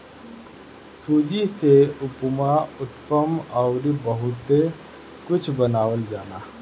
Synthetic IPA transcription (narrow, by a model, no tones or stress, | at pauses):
suːd͡ʒiseʊpmaʊt̪pəmɔʊɾibəɦʊt̪e | kʊt͡ʃʰbənaːwəld͡ʒaːnaː